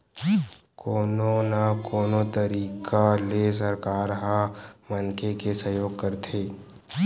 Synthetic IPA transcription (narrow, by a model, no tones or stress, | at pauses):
koːnonakoːnot̪əɾiːkʰales̬ɐɾkaːɾɦamənkekesɐjoːɡ̚kəɾt̪ʰeː